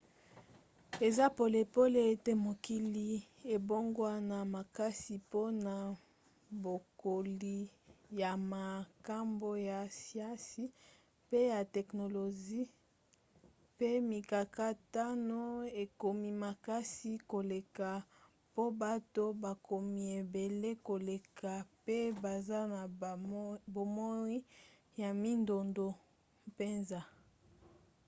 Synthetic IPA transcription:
e˨za˦po˨le˨po˦le˦e˦te˦mo˨ki˦li˦ | e˨bo˦ŋɡwa˦na˨ma˨ka˦si˨po˦na˨ | bo˨ko˨li˨ja˨ma˨ka˦mbo˦ja˨si˦a˦si˦ | pe˦ja˨tɛ˨kno˨lo˨ʒi˦ | pe˦mi˨ka˨ka˦ta˦no˦e˨ko˨mi˦ma˨ka˦si˦ko˨le˨ka˨ | po˦ba˦to˦ba˨ko˨mi˨e˨be˨le˦ko˨le˨ka˨pe˦ba˨za˦na˨ | bo˨mo˦i˦ | ja˨mi˦ndo˨ndo˨ | pe˦nza˦

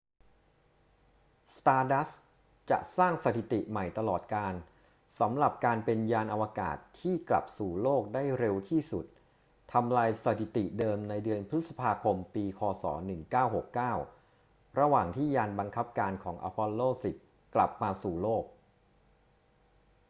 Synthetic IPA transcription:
st̪aː˧da˦˥s | t͡ɕa̰˨˩ʔsaː˥˩ŋsa˨˧t̪ʰi˨˩t̪i˨˩ʔma˨˩jt̪a˧lɔː˨˩t̪̚kaː˧n | sa˩˦mɾa˨˩p̚kaː˧npe˧njaː˧nʔa˧waː˧ka̰ː˨˩t̪ʰːiː˥˩kla̰˨˩p̚suː˨˩loː˥˩k̚daː˥˩jɾe˧wt̪ʰiː˥˩su˨˩t̪ʰː | a˧mlaː˧jsa˨˧˩t̪ʰi˨˩t̪i˨˩ʔdɤː˧mna˧jdɯ˧ənpʰɾɯ˦˥t̪̚sa˧pʰaː˧kʰo˧mpiː˧kʰɔː˧sɔ̰ː˩˦nɯ˨˩ŋkaː˥˩wɦo˨˩kːaː˥˩w | ɾa˧waː˨˩ŋt̪ʰiː˥˩jaː˧nba˧ŋkʰa˦˥p̚kaː˧nkʰɔː˩˦ŋʔa̰ː˧pʰɔ˧lːoː˥˩si˨˩t̪̚ | kla̰˨˩p̚maː˧suː˨˩loː˥˩k̚

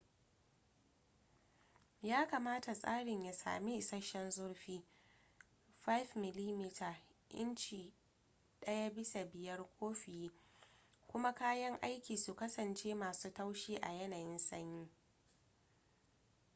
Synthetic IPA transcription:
jaː˦kaː˨maː˦ta˨sʼa̰ː˦ɽɪ˨ɲja˨sa̰ː˨mi˦ʔɪ˨sɐ˦ʃɛ˦nzʊ˦rɸiː˦ | ɸa˦jfmɪ˨li˦mi˦tʰa˨ʔɪ̰˦nt͡ʃiː˨ | ɗɐ˦ja˦bɪ˦sa˨bɪ˨jɐ˦rkʷʰoː˦ɸɪ˨jiː˦ | kʷʊ˦ma˦kaː˦jɐ˦ŋʔa˦jkʲiː˨su˨kɐ˦sɐ˨nt͡ʃeː˦maː˨suː˦ta˦wʃiː˦ʔa̰˨jɐ˦naː˨jɪ˦nsɐ˦ɲjiː˦

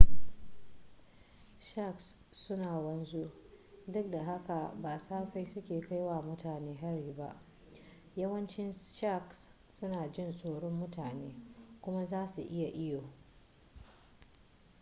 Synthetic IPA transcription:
ʃa˦˨ks | sʊ˦naː˨wɐ˦nzu˦dʊ˦k̚da˨ɦa˦ka˨baː˨saː˦ɸa˦jsʊ˦kʲeː˨ka˦jwaː˦˨mʊ˦taː˨neː˦ɦa˦ɽiː˨ba̰˦ʔ | jɐ˦wɐ˦nt͡ʃɪ˦nʃa˦˨ks | sʊ˦naː˨d͡ʒɪ˦nsʼoː˨ɽɔ˦mːʊ˦taː˨neː˦kʷʊ˦ma˦zaː˦su˨ʔɪ˦ja˨ʔɪ˦joː˨

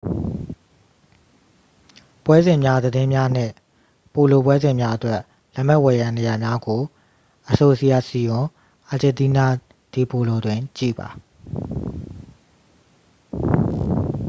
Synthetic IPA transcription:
pwɛ˦zɪ̃˨mja˦d̪ədɪ̃˦mja˦n̥ɪ̰̃˦˨ | po˨lo˨pwɛ˦zɪ̃˨mja˦ʔətwɛ˦˨ʔ | lɛ˦˨m̥ɛ˦ʔwɛ˨jã˨ne˨ja˨mja˦ɡo˨ | ʔəso˨ʔsi˦˨ja˦˨si˨jʊ̃˨ | ʔa˨d͡ʑɪ̃˨nt̪i˦na˦ | d̥i˨po˨lo˨dwɪ̃˨t͡ɕḭ˦˨ba̰˨

